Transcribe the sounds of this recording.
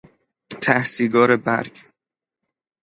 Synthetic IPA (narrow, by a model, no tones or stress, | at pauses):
t̪ʰæhsiːɡɒːɾebæɾɡ